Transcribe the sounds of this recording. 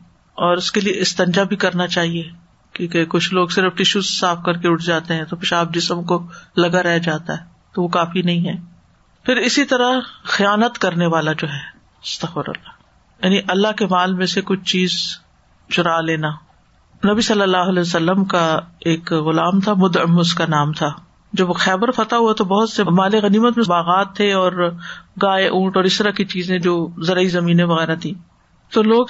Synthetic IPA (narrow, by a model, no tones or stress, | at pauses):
ɔːɾʊskelieʔɪst̪ɐ̃ɲd͡ʒabʱikɐɾnat͡ʃaːɦie | kjõːkekʊt͡ʃʰloːɡsɪɾəfʈɪʃuzsaːfkɐɾkeʊʈʰd͡ʒaːt̪eɦɛ̃t̪opɪʃaːp̚d͡ʒɪsəmkolɐɡaɾɛɦd͡ʒaːt̪a̰ɦɛ | t̪oʋokaːfinɐɦĩɦɛː | pʰɪɾɪsit̪ɐɾaxijaːnət̪kɐɾneʋaːlad͡ʒoːɦɛː | ɪst̪ɐxfəɾɐ̰lːaː | jaːniʔɐlːaɦkemaːlmẽsekʊt͡ʃʰt͡ʃiːz | t͡ʃʊɾaleːna | nɐbisɐlːəlːaːɦʊɐlɛːsɐlːəmkaeːkɣʊlaːmt̪ʰamʊd̪ə̰mʊskanaːmt̪ʰa | d͡ʒɐbxɛːbəɾfɐt̪aɦuat̪obɐɦʊt̪semaːleɣɐniːmət̪mẽbaːɣaːt̪ʰːeɔːɾɡaːeʔũːʈɔːɾɪst̪əɾakit͡ʃiːzẽd͡ʒoːzɐɾaizɐmĩːnẽʋɐɣɛːɾat̪ʰĩː | t̪oloːɡ